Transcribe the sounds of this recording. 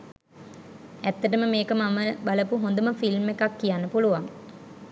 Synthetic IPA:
æt̪ːəʈəməmeːkəmaməbaləpuɦond̪əməfilmːekakːijanːəpuluʋaŋ

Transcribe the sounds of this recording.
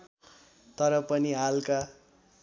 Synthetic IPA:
t̪ʌɾʌpʌniɦalka

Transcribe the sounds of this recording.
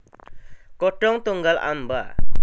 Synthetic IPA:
kɔʈːɔŋt̪ɔŋɡala̰mba

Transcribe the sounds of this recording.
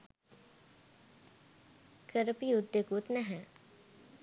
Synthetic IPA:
kəɾpiud̪jəkut̪nɛɦɛ̃

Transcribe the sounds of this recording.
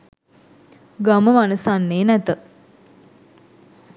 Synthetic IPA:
ɡaməmanəsanːeːnæt̪ə

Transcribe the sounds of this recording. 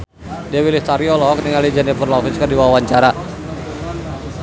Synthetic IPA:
diawilɪt̪aɾiɔlɔkniŋalid͡ʒanapərlaɦit͡ʃkərdiwawaɲt͡ʃaɾa

